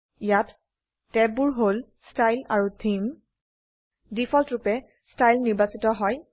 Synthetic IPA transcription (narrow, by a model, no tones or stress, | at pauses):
ijatː | ɛbuɹɦol | stajlaɹutʰim | difʰɔltɹupɛ | stajlniɹbasitɔɦɔj